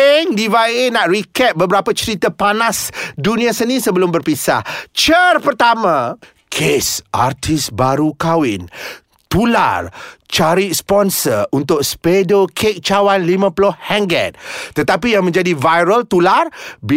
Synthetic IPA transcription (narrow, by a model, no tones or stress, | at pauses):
ŋdivaenãʔrikɛt̚bəbəɾapat͡ʃəɾit̪apanãsdunĩãsənĩsəbəlʊmbərpisa̰ht͡ʃərpərt̪amã | kʰesʔa̰rt̪ʰisbaɾukawɪn | t̪ula̰rt͡ʃaɾispɔnsərunt̪ʊk̚spedokʰek̚t͡ʃawanlimãplɔhhɛŋɡɛ̰t̪̚t̪ːət̪apijaŋmə̃ɲd͡ʒadivajɾəlt̪ularb